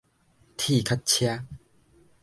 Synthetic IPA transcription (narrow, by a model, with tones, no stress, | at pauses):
t̪ʰi˥˧˨kʰa˦˥t̚t͡ɕʰja˦˥